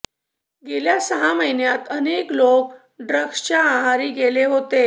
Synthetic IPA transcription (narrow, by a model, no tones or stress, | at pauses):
ɡeljasəɦaməjnjat̪əneklok̚ | ɖɾəɡst͡ɕjaaɦaɾiːɡeleɦot̪e